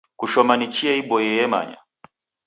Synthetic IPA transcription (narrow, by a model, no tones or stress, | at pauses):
kuʃɔmanit͡ʃiaiɓɔjɛjɛma̰ɲa̰